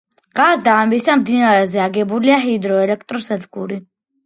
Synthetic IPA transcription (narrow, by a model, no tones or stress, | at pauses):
ɡ̥aɾd̪aːmisamd̪inaɾɛzɛaɡɛbuliaɦid̪ɾɔɛlɛk̚ʰt̪ʼɾɔsɛd̪ɡuɾi